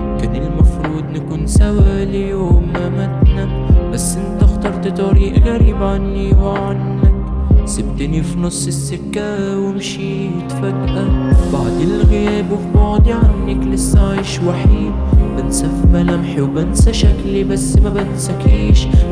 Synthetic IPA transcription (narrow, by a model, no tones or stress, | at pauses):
kɪnɪlmɑfɾˤuːd̪ˤnakuːnsawaljoːm | mat̪na | basːʔɪnt̪axt̪ɑɾˤt̪ɪt̪ˤɑɾiːʔɣaɾiːbʕanːiwʕanːak | sɪbd̪ɪnifinʊsˤːɪsːʊkːa | wɪmʃi | hɪt̪fakːaɾbaʕd̪ɪlɣɪjɛːbɪfbɑːd̪ˤiʕanːaklɪsːaʕiːʃwaħiːd̪bɪnsafbalamħiwːɪnsaʃaklibasːmabɪnsakʕiːʃ